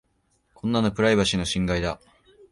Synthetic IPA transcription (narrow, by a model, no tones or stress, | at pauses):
kʰõ̞nːano̞pɯ̟ɾaibaɕino̞ɕĩŋɡaid̪a